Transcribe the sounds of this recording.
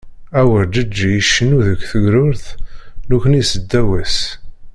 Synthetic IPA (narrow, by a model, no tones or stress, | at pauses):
æwəɾd͡ʒəd͡ʒːijəʃːənuðəkʷːθəɡɾʊɾθnukənisəd̪ːæwæs